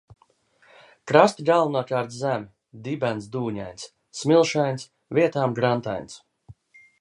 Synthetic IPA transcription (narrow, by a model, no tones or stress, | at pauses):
kɾast̪iɡalˠnuɔkaːɾt̪zæmʲi | d̪ibænsd̪uːɲa̰jns | smilˠʃajns | viɛt̪aːmɡɾant̪a̰jnʲs